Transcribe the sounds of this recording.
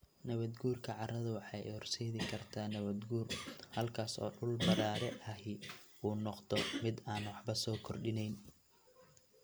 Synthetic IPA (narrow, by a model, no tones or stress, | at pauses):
nɐβɐd̪ɡuːrkʰɐʕɑrɐðɐwɑħɑjhɔrsɛjðɪkʰɐrt̪ʰaːnɐβɐd̪ɡuːrhɐlkʰaːsɔ̰ːɖʊlbɐɾaːɾɛʔɐɦɪʔuːnɔqd̪ɔmɪd̪aːnwɑħbɐsɔːkʰɔrɗɪnɛjn